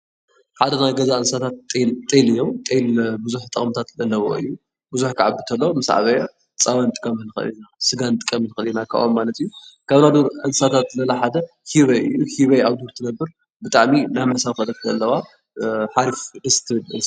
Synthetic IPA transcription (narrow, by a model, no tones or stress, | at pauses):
ħad̪ɐnajɡɐzaʔɨnsat̪ʰat̪ʼːet̪ʼelɨjːomt̪ʼelbɨzuħt̪ʼɐχʼmt̪ʰat̪lɐlːɐβo̰ʔɨ̰jːu | bɨzuħkʰaʕabɨt̪ʰɐlːomɨsʕa̰βɐja | t͡sʼawant̪ʼɨ̥kʼːɐmɨlɨxɨ̰linasɨɡant̪ʼɨkʼːɐmɨnɨxɨljnakʰa̰ʔʔomːalɐt̪ʰɨjːukʰaβnad̪uɾʔɨnsat̪ʰat̪lɐlaħad̪ɐ | hiβɐɨjːuhiβeaβd̪uɾt̪ʰɨnɐbːɨɾ | bɨt̪ʼaʕminajmɨħsaβxɐlɐk̪ʰɐlːɐβa | ħaɾifd̪ɨst̪ʰɨɨlɨns